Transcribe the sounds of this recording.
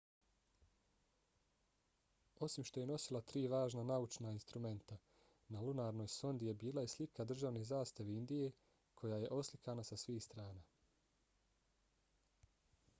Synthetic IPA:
o̞simʃt̪o̞je̞no̞silˠat̪ɾiːʋaːʒnanaut͡ʃnainst̪ɾume̞nt̪a | nalunaːɾno̞ːjso̞nd̪ije̞biːlˠajeslikʰad̪r̩ʒaʋnezaːst̪aʋeind̪ije̞ | kʰo̞jaje̞ʔo̞slikanasasʋiːxst̪ɾaːnaː

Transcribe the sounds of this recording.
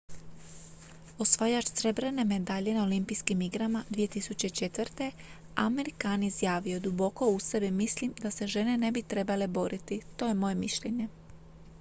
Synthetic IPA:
o̞sʋajat͡ʃsɾe̞bɾe̞ne̞me̞d̪aʎe̞naolimpijskimiɡɾamad̪ʋije̞t̪isut͡ɕe̞it͡ʃe̞t̪ʋrt̪e̞ | a̰me̞ɾikaːnizjaːʋio̞d̪ubo̞ko̞usebimislimd̪ase̞ʒe̞ne̞ne̞bit̪ɾe̞bale̞bo̞ɾʔit̪it̪o̞ːje̞mo̞je̞miʃʎe̞ɲe̞

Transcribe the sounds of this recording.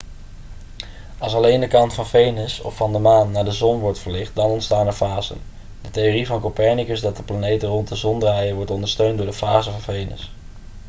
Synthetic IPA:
ɑlˠs̬ɑlejndəkɑntfɑnvejnəsɔ̰fːɑndəmaːnːaːɹdəzɔnʋɔɹtfəɹlɪχt̚dɑnɔntstaːnəɹvaːzə̰n | dətejoːrivɑnkopɛɹnikəsdɑt̚dəplanejtərɔntdəzɔndrajəʋɔɹtɔndəɹstøɥntdʊːɹdəvaːzəvɑnvejnə̰s

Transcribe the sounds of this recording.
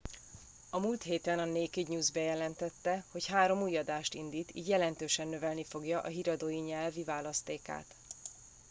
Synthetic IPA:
ɒmuːlt̪ɦeːt̪ɛnɒneːkiɟɲuːzbɛjɛlɛnt̪ɛt̪ːɛho̞chaːɾo̞muːjɒd̪aːʃt̪ind̪iːt̪ḭːɟjɛlɛnt̪øːʃɛnːøvɛlnifo̞ɡjɒʔɒɦiɾɒd̪oːjiɲɛlvivaːlɒst̪eːka̰ːt̪

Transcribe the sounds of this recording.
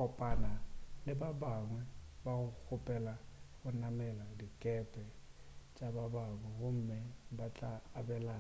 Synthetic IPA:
ɔpʼanalɪbabaŋwɛbaɣʊk͡xʰʊpʼɛlaɣʊnamɛladikʼɛpʼɛt͡ʃʼababaŋwɛɣʊm̩mɛbat͡ɬʼaːbɛla

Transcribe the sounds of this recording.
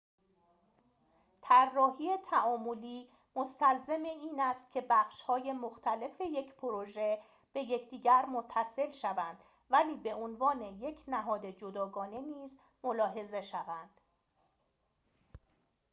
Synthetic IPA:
t̪ʰærːɒːɦiːet̪ʰæʔɒːmoliː | most̪ælzemeiːnæst̪̚cʰe̞bæxʃhɒːje̞moxt̪ʰæle̞fe̞je̞cʰpʰoɾoʒe̞ | b̥e̞jecʰd̪̥iːɟæɾmot̪ʰːæse̞lʃævænd̪̥ | væliːbe̞onvɒːne̞je̞cʰnæɦɒːd̪e̞d͡ʒod̪ɒːɡɒːne̞niːz | mo̞lɒːɦe̞ze̞ʃævænd̪̥

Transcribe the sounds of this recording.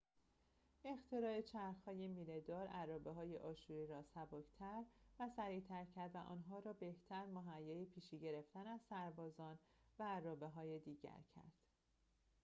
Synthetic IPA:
e̞xt̪ʰeɾɒːet͡ʃʰæɾxhɒːjemiːled̪ɒːɾærɒːbeɦɒːjḛʔɒːʃuɾiɾɒːsæbocʰt̪ʰæɾvæsæɾiːt̪ʰæɾcʰæɾd̪væʔɒ̰ːnɦɒːɾɒːbe̞ht̪ʰæɾmoɦæjːɒːjipʰiːʃiːɟe̞ɾeft̪ænæzsæɾbɒːzɒːn | væːrːɒːbe̞ɦɒːjed̪iːɟæ̰ɾcʰæ̰ɾd̪̥

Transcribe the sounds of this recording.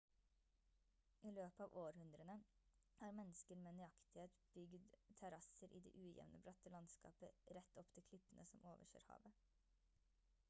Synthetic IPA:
ʔiːløːpəɑːʋʔoːɾhʉnd̪ɾənə | hɑːɾmɛnəskəɾmeːnʏɑkt̪ɪheːt̪b̥ʏɡd̪t̪ʰɛɾɑsəɾʔḭːd̪ɛ̰ːʔʉːjɛ̰ʋnʔəbɾɑt̪əlɑnskɑ̰ːpəɾɛt̪ːɔpt̪ʰɪkʰlɪpːənʔəsɔmʔoːʋəʃø̰ːɾhɑ̰ːʋə

